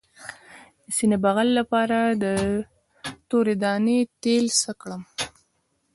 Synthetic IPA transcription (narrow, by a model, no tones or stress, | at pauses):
d̪əsinabaɣalːapɑɾad̪ə | t̪oɾed̪ɑnet̪elsəkɽəm